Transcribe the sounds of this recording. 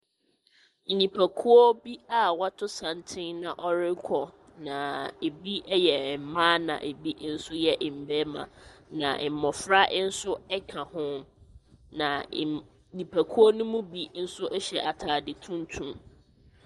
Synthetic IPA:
n̩˨ɲĩ˨pʰæ˨kʰu˦ɔ˦bi˦a˨wa˦tʰʊ˦sã˨ntʰɪ˦nã˨ʔɔ˦ɾɪ˦kʰɔ˨ | nã˨e˨bi˦ɛ˦jɛ˨m̩˨mãː˦nã̰˨ʔe˨bi˦n̩˦sʊ˦jɛ˦ʔm̩˨bɛ˦mã̰˨nã̰˨ʔm̩˨mɔ˨fɾa˦ʔɪ˦n̩˦sʊ˦ɛ˦kʰã˨hʊ̃˦ | nã˨ | ɲĩ˨pʰæ˨kʰu˦ɔ˦nʊ̃˦mũ˦bi˦n̩˦sʊ˦ʔɛ˦ɕɛ˨ʔa˨tʰaː˨dɪ˨tʰũ˦n˦tʰũ˦m

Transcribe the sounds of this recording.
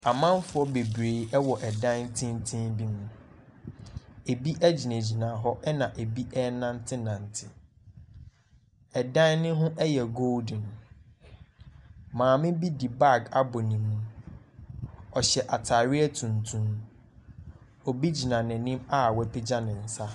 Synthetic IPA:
a˨mã˦m˦fʊ˦ɔ˦be˨bɾeː˨ɛ˦wɔ˨ʔɛ˨dã˦tʰɪ̃˦n˦tʰɪ̃˦nbi˦mũ˨ | e˨bi˦ʔæ˦d͡ʑi˨næ̃˨d͡ʑi˨nã˨ɦɔ˦ʔɛ˦nã˨ʔe˨bi˦ʔɛ˦nã˦n̩˦tʰɪ˦nã˨n̩˨tʰɪ˨ | ɛ˨dã˦nnɪ̃˦ɦʊ̃˦ʔɛ˦jɛ˨ɡo˦ldɪ̃˨n˨ | mãː˨mɪ̃˦bi˦di˨ba˦˨ɡa˦bɔ˨nĩ˨mːũ˦ | ɔ˨ɕɛ˨ʔa˨tʰa˨ɾɪ˦ɛ˦tʰũ˨ntʰũ˦m | ɔ˨bi˦d͡ʑi˨nã˨nɪ̃˨nɪ̃˦ma˦˨wɛ˦pʰɪ˦d͡ʑã˦nɪ̃˨n̩˨sa˦

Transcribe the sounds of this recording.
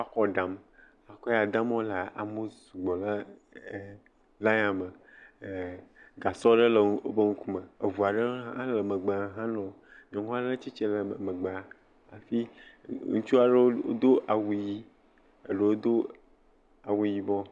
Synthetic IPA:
wa˦xɔ˦ɖã˨m | a˨kɔ˦ja˨d̪a˦m˦o˦la˨ʔa̰˨mo˦su˨ɡ͡bɔ˨lə˦˨ | la˦ɲã˨mə˨ | ɡa˨sɔ˦ɖə˦lə˨ŋ˦o˦bə˦ŋũ˦ku˦mə˨e˨vu˨a˨ɖə˦a˦lə˨mə˨ɡ͡be˨a˨˦ɦã˦nɔ̃˨˦ | ɲɔ̃˨ŋũ˦a˦ɖə˦t͡ʃi˦t͡ʃe˦lə˨mə˨ɡ͡bə˨a˨ | a˨fi˦ŋũ˦t͡ʃu˦a˦˨ɖə˦o̰˦d̪o˦ʔa˨wu˨ji˦ | ə˨ɖə˦wo˦d̪o˦ | a˨wu˦ji˦bɔ˦

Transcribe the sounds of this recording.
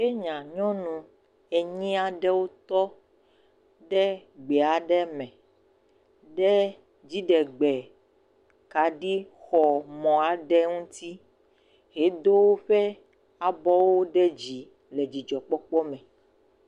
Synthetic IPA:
e˦ɲã˨ɲɔ̃˦nũ˨ | e˨ɲĩ˦a˨ɖɛ˦wo˦t̪ɔ˦ | ɖɛ˦ɡ͡bɛ˨a˨ɖɛ˦mɛ̃˨ | ɖɛ˦ | d͡ʑi˦ɖɛ˨ɡ͡bɛ˨ | ka˨ɖi˦ | xɔ˨mɔ̃˨a˨ɖɛ˦ŋũ˦t̪i˦ | ɦe˨˦d̪o˦wo˦ɸɛ˦ | a˨bɔ˦wo˦ɖɛ˦d͡ʑi˨ | le˨d͡ʑi˨d͡ʒɔ˨k͡pɔ˦k͡pɔ˦mɛ̃˨

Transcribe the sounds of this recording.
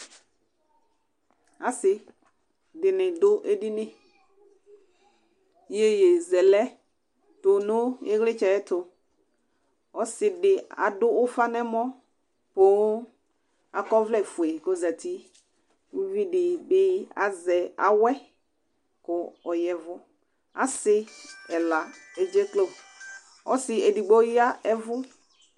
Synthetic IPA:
a˨sɪ˨ | dɪ˨nɪ̃˨dʊ˦ʔe˦di˦nɪ̃˦ | je˦je˨zɛ˨lɛ˦ | tʊ˨nʊ̃˦e˦ɣlɪ˦t͡ʃɛ˨ɛ˦tʊ˨ | ɔ˦sɪ˨dɪ˨a̰˨dʊ˦ʊ˦fa˦nɛ̃˦mɔ̃˦ | po˦ | a˨kɔ˦vlɛ˨fu˨e˨ko˦za˨ti˦ | wu˦vi˦dɪ˨bɪ˦a̰˨zɛ˨a̰˨wɛ˦ | kʊ˨ɔ˨jɛ˨vʊ˦ | a˨sɪ˦ɛ˨la˨e˨d͡ʒe˦klo˦ | ɔ˦sɪ˨ɛ˨di˨ɡ͡bo˦jɪ˦a˦ɛ˦vʊ˦

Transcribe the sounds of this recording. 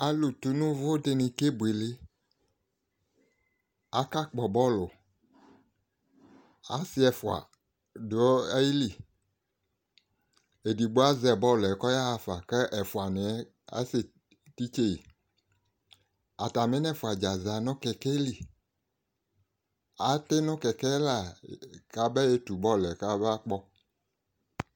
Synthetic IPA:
a˨lu˨tu˨nũ˦vo˦de˧nĩ˧ke˦bu˨e˨le˦ | a˨˦ka˦k͡pɔ˨bɔ˦lo˨ | a̰˨si˦ɛ˨fu˨a̰˨ | do˨˦ji˦li˨ | e˨di˨ɡ͡bo˦a˦zɛ˨bɔ˦˨lɛ˨kɔ˦ja˦a˨fa˨kɛ˦ʔɛ˨fu˨a˨ne˨˦ | a̰˦se˨ | ti˦t͡ʃe˦ji˨ | a˨ta˨me˦nɛ̃˦˨fu˨a˨d͡ʒa˨za˨nɔ̃˦kɛ˨kɛ˦li˨ | a˨te˦nɔ̃˦kɛ˨kɛ˦la˨ka˦bɛ˦e˦tu˨bɔ˦˨lɛ˨ka˦bɛ˦a˦k͡pɔ˦

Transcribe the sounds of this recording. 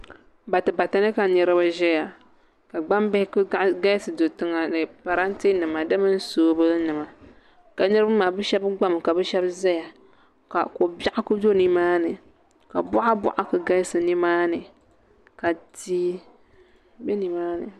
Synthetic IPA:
ba˨tɨ˨ba˨ta˨nɨ˦ka˨nɨ˨ɾɨ˦bɨ˦ʒɛ˦ja˨ | ka˨ɡ͡ba˦mba˦hɪ˦kɡa˦jsɨ˨do˨tɨ˦ŋa˨nɨ˨pa˨ɾa˦n˦ti˦nɨ˨ma˨dɨ˦mɨ˦n˦soː˦bɨ˦nɨ˨ma˨ | ka˨nɨ˦ɾɨ˦ba˦maː˨bɨ˦ʃɛ˦bɡ͡ba˦m˨ka˨bɨ˦ʃɛ˦bza˦ja˨ | ka̰˨ko˨ba˦ʔa˦ku˦do˦ni˦maː˦nɨ˨ | ka̰˨bʊ˦ʔa˦bʊ̰˨ʔa˦kɨ˨ɡa˦jsɨ˨nɨ˦maː˦nɨ˨ | ka˨tiː˦ | bɛ˦ni˨maː˦nɨ̰˨

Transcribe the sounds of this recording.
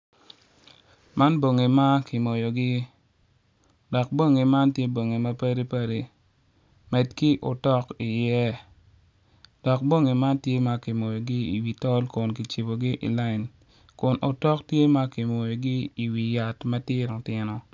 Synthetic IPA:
ma˦nbo˨ŋe˨ma˦kɪ˨mo˨jo˨ɡɪ˦ | dɔ˨k̚bo˦ŋe˨ma˦ntje˦bo˨ŋe˨mɐ˦pa˦ɾi˦pa˦ɾi˨ | mɛ˨tki˦ʔo˨tɔ˦ki˨jɛ˦ | dɔ˨k̚bo˦ŋe˨ma˦ntje˦ma˦ki˨mo˨jo˨ɡi˦ḭ˨wi˨tɔ˦lkʊ˨nki˨t͡ʃi˨bo˨ɡi˦ʔḭ˨la˦ɪ˨n | kʊ˨nʔo˨tɔ˦ktje˦ma˦ki˨mo˨jo˨ɡi˦i˨wi˨ja˨tma˦tɪ˦ɾo˨tɪ˦nɔ˦

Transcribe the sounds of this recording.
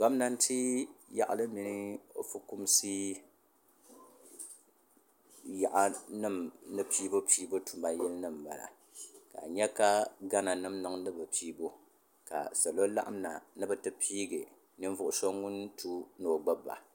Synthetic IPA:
ɡa˦m˦na˦n̩˦tʰi˦ja̰˨ʔa̰˨lɨ˦mi˨nɨ˦o̰˨fɨ˦ku˦msi˦ | ja˨ʔa˦nɨ˦mnɨ˦piː˦bo˦piː˦bo˦tu˨mba˨jɛ˦lnɨ˦˨m˨ba̰˨la̰˨ | ka̰˨ɲɛ˦ka˦ɡa˦na˨nɨ˦mnɨ˨˦ŋnɨ˦bɨ˨piː˦bo˦ | ka̰˨sa˨lo˦la̰˦ʔa˦m˦na˨nɨ˦bɨ˦tɨ˦pʰiː˦ɡɨ˨ | nɨ˦ɱ˦vʊ˨ʔʊ˨so˦ŋu˦ntʰu˦no˨ɡ͡ba˦bːa̰˨

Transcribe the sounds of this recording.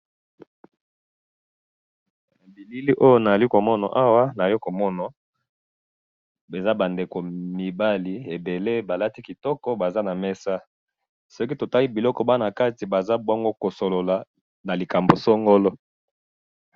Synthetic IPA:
bi˨li˦li˦ʔo˦jo˦na˨a˨li˦ko˨mɔ˦na̰˨ʔa˦wa˦na˨jɔ˦ko˨mɔ˦na˨ | be˨za˦ba˨nde˨ko˨mi˨ba˦li˨e˨be˨le˦ba˨la˦ti˦ki˨tɔ˦kɔ˦ba˨za˦na˨mɛ˦sa˦ | sɔ˦ki˦to˨ta˦li˦bi˨lɔ˦kɔ˦ba˦na˨ka˦ti˨ba˨za˦bwŋɡo˦ko˨so˨lo˨la˨ | na˨li˨ka˨mbo˨sɔ˦ŋɡo˦lɔ˦

